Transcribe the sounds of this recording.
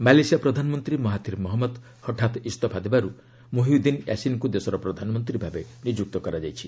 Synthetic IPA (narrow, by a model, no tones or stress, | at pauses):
malejsijapɾɔd̪ʱanɔmɔnt̪ɾimɔɦat̪iɾmɔɦɔmɔd̪ | hɔʈʰat̪ist̪ɔpʰad̪ibaɾu | moɦiud̪injʔa̰sinkud̪esɔɾɔpɾɔd̪ʱanɔmɔnt̪ɾibʱabenid͡ʒuk̚t̪ɔkɔɾad͡ʒajt͡ʃʰi